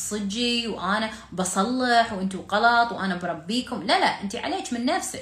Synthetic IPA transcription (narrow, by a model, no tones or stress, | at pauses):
sˤɨd͡ʒːiwʔaːna | bɑsˤɑlːɪħwʔɪnt̪uqɑlɑt̪ˤwʔaːnabɾˤɑbːiːkʊmlalaʔʔɪnt̪iʕa̰leːt͡ʃmɪnːafsɪ